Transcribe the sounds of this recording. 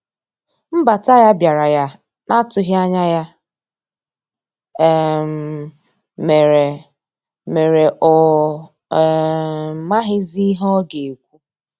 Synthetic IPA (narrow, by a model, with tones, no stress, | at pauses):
m̩˦ba˨ta˦ja˦bja˨ɾa˨ja˦ | na˦tʊ˨ɦja˦ɲa˦ja˦˨ | m | me˨ɾe˨ | me˨ɾe˨ʔɔ˨˦ | ma˦ɦɪ˦zi˦ɦɔ˦ɡe˨kʷu˦